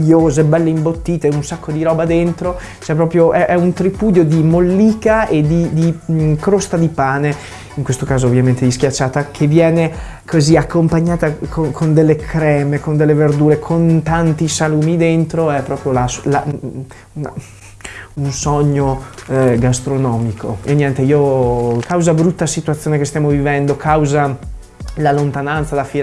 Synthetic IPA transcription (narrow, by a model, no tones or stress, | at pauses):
ʎːoːzebɛlːeimbot̪ːiːt̪eunsakːod̪iɾɔːbad̪ent̪ɾo | t͡ʃɛpːɾɔːpɾjoʔɛʔɛunt̪ɾipuːd̪jod̪imolːiːkaed̪id̪ikɾost̪ad̪ipaːne | iŋkwest̪okaːzoːvjament̪ed̪iskjat͡ʃːaːt̪akʰevːjɛːne | kʰoziakːompaɲːaːt̪akokʰond̪elːekʰɾɛːmekond̪elːeverd̪uːɾekʰont̪ant̪isaluːmid̪ent̪ɾoɛpːɾɔːpɾjolasla | a̰ | unsɔɲːo | ɡast̪ɾonɔːmikʰo̰enːjɛnt̪eiːokʰawzabɾut̪ːasit̪uat̪sːjoːnekest̪jaːmovivɛnd̪okʰawza | lalont̪anant̪salafi